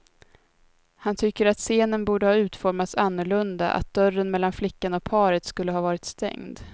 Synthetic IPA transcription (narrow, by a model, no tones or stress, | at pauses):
hant̪ʰʏkːəɾat̪seːnənbuːɖəhɑːʉ̟ːt̪fɔɾmat̪sanːʊɭɵnd̪a̰ʔa̰t̪̚d̪̥œrənmɛlːanflɪkːanɔk̚pʰɑːɾət̪skɵlːəɦɑːvɑːɾɪt̪st̪ɛ̰ŋd̪